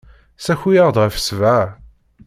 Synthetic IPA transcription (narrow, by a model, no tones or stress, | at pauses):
sæçijəʁd̪ʁəfə̥svæ